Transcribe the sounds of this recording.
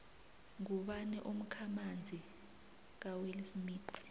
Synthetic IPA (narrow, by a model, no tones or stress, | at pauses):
ŋuɓanɛʔum̩kʰamand͡zʱi | k̬awilismiːti̥